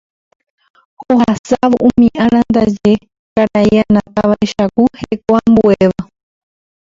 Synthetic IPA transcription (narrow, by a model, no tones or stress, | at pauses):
hohasaʋoʔũmĩʔãɾand̪ad͡ʒe̞ | kaɾaianãt̪aʋaeʃakuhekoambueʋa